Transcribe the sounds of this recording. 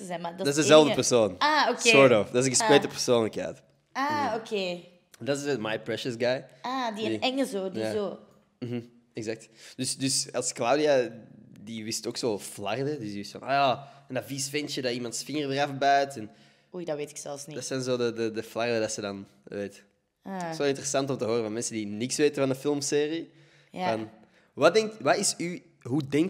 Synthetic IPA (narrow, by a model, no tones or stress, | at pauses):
əzɛmaddɪsdəzɛlˠvdəpərsoːnaoseɔɹdɔfdaz̬ə̃əsweːtəpər̥soːnləkɛ̰ːt | aokʰeː | ndɑtzəmajpɹɛʃəsɡajadiɛŋəzoːdijazoː | m̩ɦm̩ | ɛɡzak̚td̥ʏsdʏsɑlˠsklawdiadiʋɪstoːksoːflardədʏsdiɪstfa̰na̰jaənavisfɛnt͡ʃədaimɑntsfɪŋərdərafbœɥtɛn | ujdaʋeːtɪ̥ksɛlˠfnidasdɑnzoːdədədəflardədasədɑn | ʋeːt | asoːɪntərəsɑntɔmtəɦoːɾəvɑnmɛnsəndinɪksʋeːtənvɑndəfɪlˠmseːri | jvɑn | ʋadɛŋk̚tʋaɪsy | ɦudɛŋk